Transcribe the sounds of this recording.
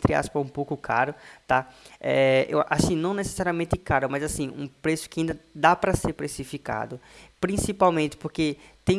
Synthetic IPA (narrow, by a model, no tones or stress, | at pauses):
t̪ɾɪa̰spɐũpowkʊkʰaɾʊt̪aɛḛwʔasĩnɐ̃w̃nese̥saɾiɐmẽnt̪ɪkaɾʊmɐzasĩṵ̃pɾesʊ̥kɪaĩnd̪ɐd̪apɾɐseɾpɾesifika̰d̪ʊpɾĩsipawmẽnt̪ɪ̥poɾket̪ẽ